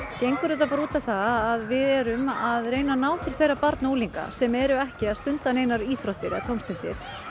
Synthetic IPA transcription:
cejŋkʏɾʏt̪̬apaɾuːt̪aθaːðvɪðɛɾʏmaðɾeːjnanaːwt̪ʰɪl̥θejɾapaɾt̪nowliŋka̰sɛmɛɾʏɛhcɪaðst̪ʏnt̪aneːjnaɾiːst̪ɾɔht̪ɪɾɛ̰ak̪ʰɔwmst̪ɪn̥t̪ɪ̰ɾ̥

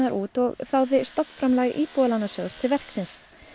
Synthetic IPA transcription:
aɾʔuːt̪ɔɣθawðɪst̪ɔpn̥fɾamlaːɣʔiːpualanːasjœðst̪ʰɪlvɛr̥ksɪns

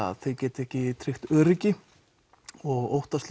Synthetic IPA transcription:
a̰ðθejcɛːt̪ɛhcɪt̪ʰɾɪxt̪œːɾɪcɪ | ɔɣo̰wht̪ast̪l

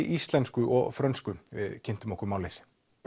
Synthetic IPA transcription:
ʔist̪lɛnskʏʔɔɣfɾœnskʏvɪ̰ðcʰɪn̥t̪ʏmɔhkʏɾmaːwlɪɾ̥

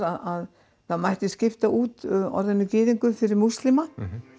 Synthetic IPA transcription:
ɾaðað | θaðmajht̪ɪscɪft̪aʔuːt̪ɔ̰ɾðɛnːʏcɪːðiŋkʏfɪɾɪɾmuslɪma

